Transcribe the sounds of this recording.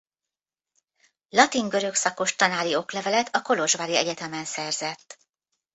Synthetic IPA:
lɒt̪iŋɡøɾø̞ksɒko̞ʃt̪ɒnaːlio̞klɛvɛlɛt̪ʰɒko̞lo̞ʒvaɾiɛɟɛt̪ɛmɛnsɛrzɛt̪ː

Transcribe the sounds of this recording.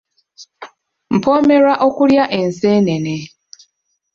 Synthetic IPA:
m̩pʰo̞ːmeɾaʔokuljaʔe̞nseːnene

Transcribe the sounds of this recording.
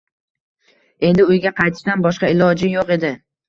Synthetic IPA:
e̞nd̪ɪʊjɡʲaqʰɑjt̪ʰɪ̥ʃanbɒʃqɑɪlˠɒd͡ʒɪjoqe̞d̪ɪ

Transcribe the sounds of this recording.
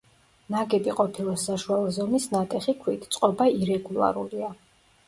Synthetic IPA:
naɡɛb̪iqʼɔpʰilˠasaʃualˠɔzɔmisnat̪ʼɛχikʰwit̪ʰt̪sʼqʼɔbaiɾɛɡulˠa̰ɾulia

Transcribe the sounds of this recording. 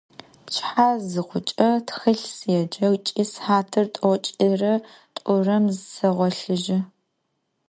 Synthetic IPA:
pt͡ʃʰʼħaːzɨqʷʊt͡ʃʼɐtxɨɬsjɛd͡ʒɐwt͡ʃʼiːsħaːtʰɨrtʼot͡ʃʼirɐ | tʼʊrɐmzsɐʁʷɔɬɨʒɪ

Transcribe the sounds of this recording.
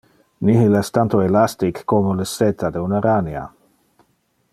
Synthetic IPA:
niɦilɛst̪ant̪oelast̪ikːomoləset̪ʰad̪eunaɾania̰

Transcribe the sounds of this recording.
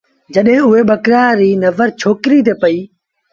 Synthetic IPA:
d͡ʒəɗɦẽʊɦeːɓəkɾaːɾiːnəʋəɾt͡ʃʰoːkɾiːt̪̬eːpəiː

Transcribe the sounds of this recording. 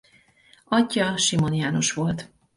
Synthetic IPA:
ɒɟːɒʃimo̞nijaːno̞ʃʋo̞lt̪

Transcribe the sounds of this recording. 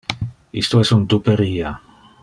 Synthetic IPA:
ḭst̪oɛsunt̪upeɾiːa

